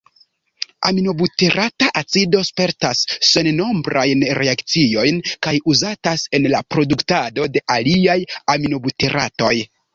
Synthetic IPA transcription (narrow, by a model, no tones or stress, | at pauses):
a̰mino̞buteɾʔataʔat͡sido̞spe̞ɾtasːe̞nno̞mbɾʔajnɾʔe̞akt͡sio̞jnkajuzatase̞nlapɾo̞duktado̞de̞ʔaliajamino̞buteɾʔa̰to̞j